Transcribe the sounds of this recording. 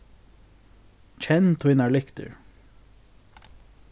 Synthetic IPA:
t͡ʃʰɛnt̪ʰwɪnɑɭʏkt̪ə̰ɹ

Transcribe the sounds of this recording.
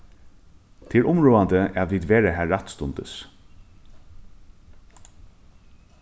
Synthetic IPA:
t̪ʰɪɾʔʊmɹuːand̪əæ̰ðʋiːd̪ʋeːɾəɦæːɹːat̪st̪ʊnt̪ə̰s

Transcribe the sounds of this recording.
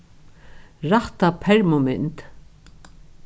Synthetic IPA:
ɹaht̪apʰɛɹmʊmɪnt̪

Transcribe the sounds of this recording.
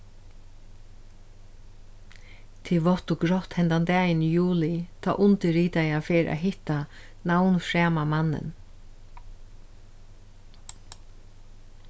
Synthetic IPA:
t̪ʰiːʋɔht̪ʊɡɾɔht̪hɛnt̪ant̪ɛːjɪnjuːlɪt̪ʰɔ̰ːʔʊnt̪ɪɾiːt̪ajafeːɾʔa̰ɦɪht̪a | nawnfɹɛːmamanːɪ̰n

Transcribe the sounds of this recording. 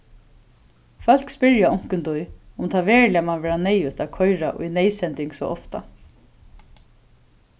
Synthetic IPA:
fœl̥kspɪɹjaʊŋ̥kənt̪ʊjʊmt̪ʰaːʋɛːɹlɪamanʋɛːɹanɛjʉt̪aːkʰɔʏɾaʔʊ̰jnɛɪjsɛnt̪ɪŋɡsɔ̰ʔɔft̪a̰

